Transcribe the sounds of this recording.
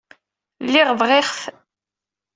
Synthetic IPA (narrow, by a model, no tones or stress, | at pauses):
lːɪʁvʁɪχf